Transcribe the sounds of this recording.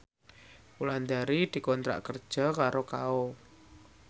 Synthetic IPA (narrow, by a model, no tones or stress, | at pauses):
uland̪aɾid̪̥i̤kɔnt̪ɾa̰kərd̥ʒ̥a̤kaɾokao